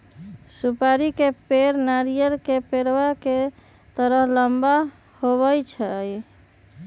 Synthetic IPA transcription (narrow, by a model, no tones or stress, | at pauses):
supaɾikepeɾnaɾijəɾkepeɾʋake | t̪əɾəɦləmba | hoβəjt͡ʃʰɛj